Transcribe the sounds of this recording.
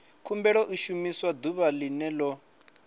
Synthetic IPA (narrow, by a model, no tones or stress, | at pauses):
kʰumbɛɺɔʔiʃumiswad̪uβalinɛlɔ